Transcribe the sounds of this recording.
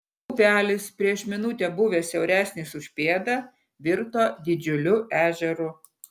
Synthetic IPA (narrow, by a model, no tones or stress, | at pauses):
upʲæːlʲɪspʲɾʲiɛʃmʲɪnʊt̪ʲeːbʊʋʲeːsʲɛʊɾʲæːsʲnʲisʊʃʲpʲeːd̪ɐ | ʋʲɪɾt̪oːd̪ʲɪd͡ʒʲʊlʲʊʔæːʒʲɛɾʊ